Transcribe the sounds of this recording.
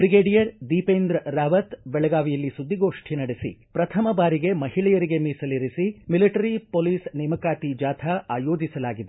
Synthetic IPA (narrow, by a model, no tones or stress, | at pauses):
bɾiɡeːɖijɐɾd̪iːpeːnd̪ɾɐɾaːʋɐt̪bɛɭɐɡaːʋijɐlːisud̪ʱːiɡoːʂʈʰinɐɽesḭpɾɐt̪ʰɐmɐbaːɾiɡe̞mɐɦiɭɛjɐɾiɡe̞miːsɐliɾisimiliʈɐɾipoːliːsnɛːmɐkaːt̪id͡ʒaːt̪ʰɐaːjoːd͡ʒisɐlaːɡid̪e